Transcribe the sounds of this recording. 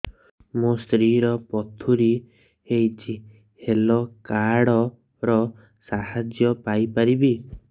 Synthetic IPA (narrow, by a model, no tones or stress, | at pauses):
must̪ɾiɾɔpɔt̪ʰuɾi | ejt͡ʃʰi | helɔkaɽɔ | ɾɔ | sahad͡ʒjɔpajpaɾibi